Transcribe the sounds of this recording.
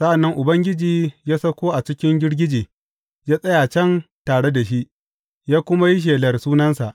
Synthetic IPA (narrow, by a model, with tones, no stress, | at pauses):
sa˦ʔa˨nːɐ˦ŋʔʊ˨bɐ˦ŋɡʲɪ˦d͡ʒiː˨jaː˦sɐ˦kʷoː˦ʔa˨t͡ʃɪ˦kʲɪ˦ŋɡʲɪ˦ɽɡʲɪ˦d͡ʒiː˨ | jaː˦sʼɐ˦ja˨t͡ʃɛ˦ntaː˨ɽe˦da˨ʃ̬i˦ʔ | jaː˦kʷʊ˦ma˦ji˦ʃ̬eː˨lɐ˨rsuː˦nɐ˦nsa˨ʔ